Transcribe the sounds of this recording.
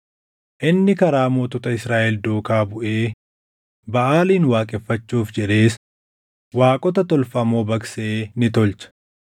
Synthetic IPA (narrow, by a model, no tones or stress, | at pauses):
ʔɪnːɪkɐɾaːmoːt̪ɔt̪ɐɪsɾaːʔɛld̪oːkaːbʊʔeː | bɐʔaːliːnwaːkʼɛfːɐt͡ʃːuːfd͡ʒɛᶑe̞ːs | waːkʼɔt̪ɐt̪ɔlfɐmoːbɐkseeːnɪt̪ɔlt͡ʃɐ̥